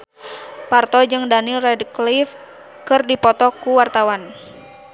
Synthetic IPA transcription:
part̪ɔd͡ʒɨŋdanilrɛdklif | kɨrdipɔt̪ɔkuwart̪awan

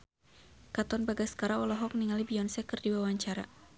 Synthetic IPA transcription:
kat̪ɔnbaɡaskaɾaɔlɔɦɔk̚niŋalibiɔnsɛkərdiwawaɲt͡ʃaɾa

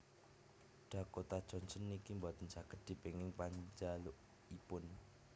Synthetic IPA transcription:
ɖ̥a̤kot̪ad̥ʒ̥ɔ̤nsənːikimbat̪ənd͡ʒakət̪̚d̪̥i̤b̥e̤ŋɪŋpaɲd͡ʒalʊʔ | ipʊn

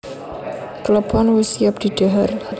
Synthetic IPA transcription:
kələpʰɔnwusiap̚d̪̥i̤d̥aɦar

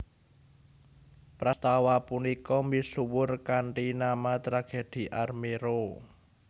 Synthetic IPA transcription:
pɾast̪awapunikɔmisuwʊrkaɳʈinamat̪ɾaɡ̥e̤d̪̥i̤ʔarmeɾo

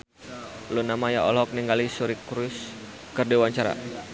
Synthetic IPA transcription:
lunamajaɔlɔk̚niŋɡalisuɾikɾus | kərdiwaɲt͡ʃaɾa̰

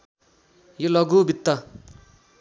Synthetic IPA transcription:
jolʌɡubʱit̪ːʌ

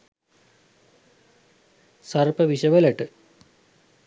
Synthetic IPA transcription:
sɐrpɐʋiɕɐʋɐleʈːɨ

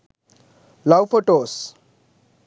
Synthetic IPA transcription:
lawfoʈos

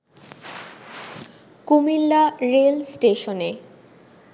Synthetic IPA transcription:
kumilːaɾelsʈeʃone

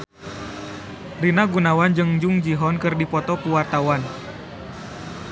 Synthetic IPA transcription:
rinaɡunawand͡ʒɨŋd͡ʒuŋd͡ʒiɦɔnkɨrdipɔt̪ɔkuwart̪awan

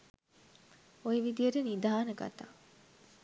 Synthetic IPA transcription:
ojeʋid̪ijəʈənid̪aːnəɡa̰t̪aː

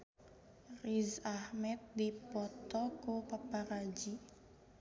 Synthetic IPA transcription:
rizahmɛt̪̚d̪ipɔt̪ɔkupapaɾad͡ʒi

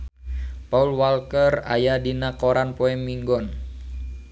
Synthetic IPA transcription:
paulwalkəra̰jadinakoɾanpɔɛmːiŋɡɔn

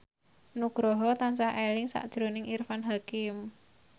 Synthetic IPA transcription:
nuɡ̥ɾɔɦɔt̪ansaʔelɪŋsa̰ʔd̥ʒ̥ɾo̤nɪŋʔirfanɦakɪm

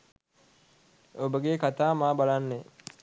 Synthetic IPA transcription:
obəɡekat̪aːmaːbalanːe

